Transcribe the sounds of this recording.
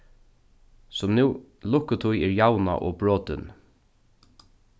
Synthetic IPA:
sʊmnʉːlʊkːət̪ʰʊjɛːɹjawna̰ʔɔ̰ːbɹoːt̪ʏ̰n

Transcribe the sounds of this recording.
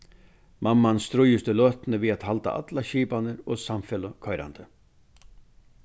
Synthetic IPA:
mamːanst̪ɾʊjɪst̪ɪlœːt̪nɪviðat̪halt̪a̰ʔa̰t̪laɕiːpanɪɾɔsamfɛləkʰɔjɾa̰nt̪ə

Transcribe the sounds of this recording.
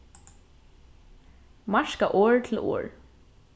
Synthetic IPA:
maʃkaʔɔːɹt̪ʰɪlo̰ːɹ

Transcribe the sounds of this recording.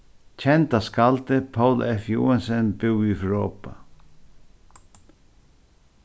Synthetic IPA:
t͡ʃʰɛnt̪askalt̪ɪpʰowlɛfjṵːansɛnbɪwifɹoːpa

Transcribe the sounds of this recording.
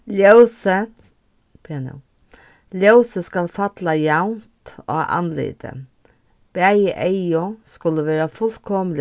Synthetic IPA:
ljɑsə | pʰɛɛnə̰ | ljɑʉsəskɑlfɑt̪lɑjɑʊnt̪o̰ːʔɑ̰nlḛːd̪ə̰ | b̥æɪəʔeɪʊskʉlːəʋeːɾɑfʉlkʰɔml

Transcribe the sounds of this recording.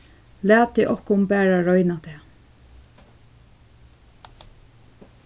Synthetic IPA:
læːt̪ːɛʔɔhkʊmbæːɹaɹɔʏnat̪ʰɛː

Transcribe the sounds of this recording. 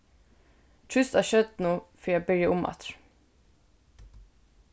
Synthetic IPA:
t̪ʰɹʉst̪æːʃœd̪nuːfœːjæbœʏəʔʊmɑ̰t̪ɹ

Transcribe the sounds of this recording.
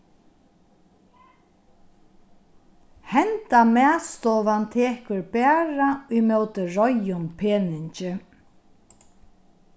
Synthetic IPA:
hɛnt̪amɛːst̪ɔːʋant̪ʰeːkɵɹbæːɹaujmœwt̪ɪɹɔjʊmpʰeːnɪɲt͡ʃɪ

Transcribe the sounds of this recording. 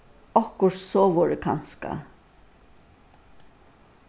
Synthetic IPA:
ɔhkʊʂsɔːʋɔɹɪkʰanska̰

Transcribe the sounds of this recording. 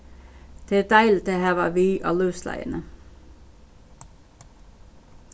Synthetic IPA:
t̪ʰɪd̪æɪlt̪ʰehæːʋɑ̰ːʋiːʔɑ̰lʉːslæ̰ɪə̰nə

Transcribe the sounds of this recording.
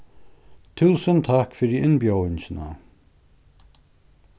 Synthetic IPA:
t̪ʰuːsənt̪ʰakfɪɹiʔɪnbjoːɪnʃəna̰

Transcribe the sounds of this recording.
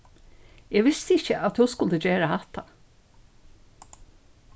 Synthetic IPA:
ɛɡʋɪst̪əɪçəʔat̪huwskʊld̪əd͡ʒeːɹaat̪a

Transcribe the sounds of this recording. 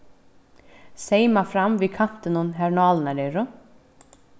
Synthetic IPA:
seːjmafɾamvɪðkʰan̥t̪ɪnʊnɦɛɾnaːlnaɾɛɾʊ

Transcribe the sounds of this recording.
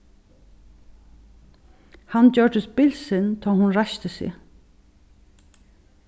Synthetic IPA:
handœɹʈʏspɪlsɪnt̪ʰɔːhʊnɹaʃt̪əsɪ̰

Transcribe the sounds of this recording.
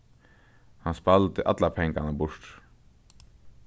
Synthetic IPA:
hanspalt̪ɪʔa̰t̪lapʰɛŋkanabʊʂt̪

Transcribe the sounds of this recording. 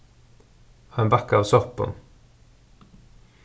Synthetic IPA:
ɑːeːnbækəɑːʋsɔʁpə̰n

